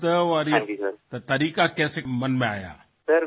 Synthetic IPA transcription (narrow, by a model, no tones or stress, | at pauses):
t̪əʋaɾĩkisəɾt̪ɐt̪ɐɾiːkakɛːsemɐnmẽa̰ːja̰ː | sɐɾ